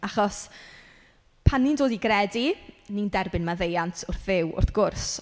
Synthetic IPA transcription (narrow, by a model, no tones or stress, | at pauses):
aχɔs | pʰanːindoːdiɡrɛdinindɛrbɪnmaðejantʰʊrθðɪwʊ̰rθɡ̥ʊrs